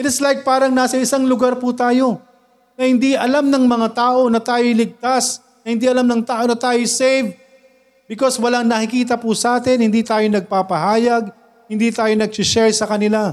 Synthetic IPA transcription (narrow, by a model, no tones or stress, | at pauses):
ʔɪt̪ɪslajk̚paːɾɐŋnaːsɐɪsaŋlʊɡaɾput̪aːjo̞ | nɐhɪnd̪iʔɐlamnɐŋmɐŋat̪aːʔo̞nɐt̪aːjolɪɡ̚t̪as | nɐhɪnd̪iʔɐlamnɐŋt̪aːʔo̞nɐt̪aːjosɛjv | bɪkoswɐlaŋnɐkɪkiːt̪̬ɐpusɐʔaːt̪ɛnhɪnd̪iːt̪aːjo̞nɐɡ̚paːpɐhaːjɐɡ̚ | hɪnd̪iːt̪aːjo̞nɐɡ̚t͡ʃɪʃɛɹsɐkɐnɪla